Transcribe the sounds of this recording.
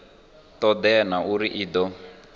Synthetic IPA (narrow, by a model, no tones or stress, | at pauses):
t̪ɔd̪ɛnauɾiʔiːd̪ɔ